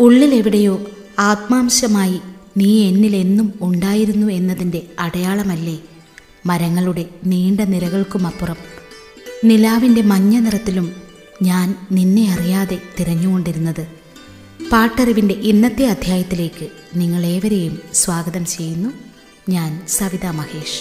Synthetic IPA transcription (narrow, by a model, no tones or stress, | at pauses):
uɭːile̞ʋiɽejo̞ː | aːt̪̚maːmɕɐmaːjiniːe̞nːile̞nːumuɳɖaːjiɾunːue̞nːɐðinde̞ɐɽɐjaːɭɐmɐlːe̞ | mɐɾɐŋːɐɭuɽe̞niːɳɖɐniɾɐɣɐɭkumɐpːurɐm | nilaːʋinde̞mɐɲːɐnirɐt̪ːilum | ɲaːnninːe̞ɐrijaːðe̞t̪iɾɐɲːuɣo̞ɳɖiɾunːɐðɨ | paːʈːɐriʋinde̞ʔinːɐt̪ːiɐd̪ʱjaːjɐt̪ːile̞ːkːɨ | niŋːɐɭe̞ːʋɐɾe̞jumsʋaːɡɐðɐmt͡ɕe̞jːunːu | ɲaːnsɐʋiðaːmɐhe̞ːʂ